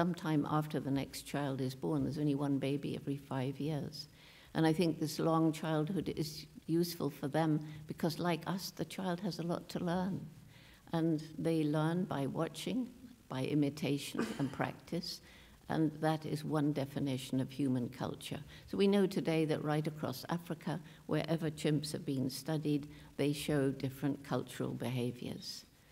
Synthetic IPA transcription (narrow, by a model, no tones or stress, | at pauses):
sʌ̃mtʰãɪ̃mʔæ̰ftə˞ðɨnɛ̰kst͡ʃʰaɪlˠdɨzbɔɹnðə˞zõʊ̃nliwʌ̃nbeɪbḭɛ̰vɹifaɪvjɪɹz̥ | ʔɨ̰̃naɪθɪ̃ŋk̚ðɪslɔ̃ŋt͡ʃʰaɪlˠd̚hʊɾɪ̰zjʉsfəl̩ˠfə˞ðɨ̃mb̥ɨkʰʌzlaɪkʰʌsðɨt͡ʃʰaɪlˠd̚ɨzəlɔ̰tʰəlɜ̃˞n | ʔə̃nðeɪlɜ̃˞nba̰ɪwɑt͡ʃɪ̃ŋb̥aɪʔɪmɨtʰeɪʃɨ̃nɨ̰̃npʰɹ̥æ̰k̚tʰɨs | ʔə̰̃nðɨɾɪzwʌ̃ndɛfɨnɪʃɨ̃n̩ʌv̥hjʉmɨ̃nkʰʌ̰lˠt͡ʃə̰˞ | soʊwinoʊtʰɨdeɪðɨ̰ʔɹaɪɾɨkʰɹ̥ɔ̰sæ̰fɹɨkʰə | wʔə̰˞ʔɛvə˞t͡ʃʰɪ̃mpshɨvbĩnstʌɾid̪̚ | ðeɪʃoʊdɪfɹɨ̃nkʰʌ̰lˠt͡ʃə̰˞l̩ˠbɨɦeɪvjə̰˞z̥